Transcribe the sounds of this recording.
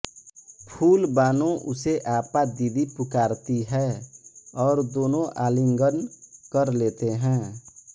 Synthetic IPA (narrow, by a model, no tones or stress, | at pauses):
pʰuːlbaːnõʔʊseʔaːpad̪id̪ipʊkaːɾt̪iɦɛː | ɔːɾd̪oːnõʔaːlɪŋɡənkəɾleːt̪eɦɛ̃ː